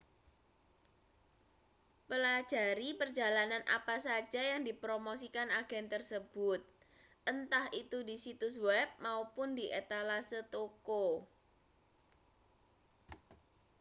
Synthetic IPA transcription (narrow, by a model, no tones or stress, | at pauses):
pəlḁd͡ʒ̥a̤ɾipərd͡ʒa̤lananʔa̰pasḁd͡ʒ̥a̤jaŋdipɾomosikanaɡ̥ɛnt̪ərsəb̥ʊt̪̚ | ənt̪ahʔit̪udisit̪uswɛp̚maupʊndiʔet̪alasət̪oko